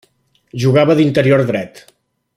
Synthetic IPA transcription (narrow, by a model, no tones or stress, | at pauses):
ʒuɣaβəðint̪əɾioɾðɾɛt̪